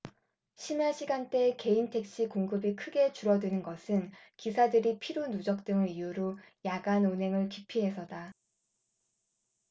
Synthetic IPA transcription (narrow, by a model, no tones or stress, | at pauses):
ɕʰimjaɕʰiɡant͈e̞ke̞intʰe̞k̚ɕ͈ikoŋɡɯbikʰɯɡe̞t͡ɕuɾʌdɯnɯnɡʌsʰɯnkisʰadɯɾipʰiɾunud͡ʑʌk̚t͈ɯŋɯijuɾo | jaɡanonɦe̞ŋɯɭkipʰiɦe̞sʰʌda